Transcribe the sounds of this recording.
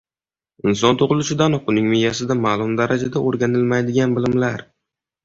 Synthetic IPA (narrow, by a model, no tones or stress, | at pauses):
ɪnsɒnt̪ʰʊʁɨlˠʊʃɪd̪anqʊnɪŋmɪjːasɪd̪amaːlˠʊmd̪aɾad͡ʒad̪aʔoɾɡʲanɪlmajd̪ɪɡʲanbɪlɪmlaɾ